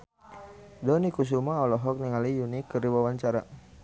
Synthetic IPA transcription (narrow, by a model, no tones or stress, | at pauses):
dɔnikus̬umaɔlɔɦɔk̚niŋalijunikːəɾiwawaɲt͡ʃaɾa